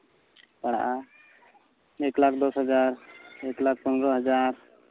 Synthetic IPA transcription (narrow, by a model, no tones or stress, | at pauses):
paɽa̰ʔa | eklakʰd̪ɔsɦəd͡ʒaɾeklak̚ʰpɔnɾɔɦəd͡ʒaɾ